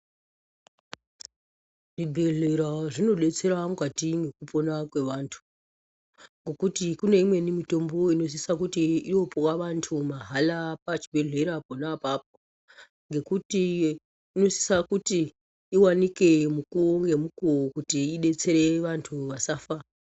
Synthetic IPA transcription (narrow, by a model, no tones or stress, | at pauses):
ʐibʱeɮeɾaʐino̞ɗe̞t͡se̞ɾamukatiŋɡe̞kupo̞nakwe̞ʋaːntʰu̥ | ŋɡo̞kutikune̞imwe̞nimito̞mbo̞ino̞s̬isakutiijo̞powaʋantʰumaɦalapat͡ʃibʱe̞ɮe̞ɾaponapap̚o̥ | ŋɡe̞kutiː | no̞si̥sakutiː | wanikemukuoŋɡe̞mukuokutiːɗe̞t͡se̞ɾe̞ʋantʰuʋasaːfa